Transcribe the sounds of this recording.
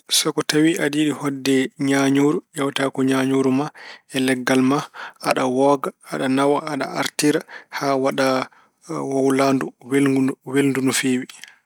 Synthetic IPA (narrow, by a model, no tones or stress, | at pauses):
sɔkɔtawiʔadiɗihɔdːɛɲaɲoːɾuɗawtakɔɲaɲoɾumaɛlɛɡːalmaʔaɗawɔɡaːɗanawaːɗa̰aɾtiɾahawaɗa | wawlanduwelɡuwelndunufeːwi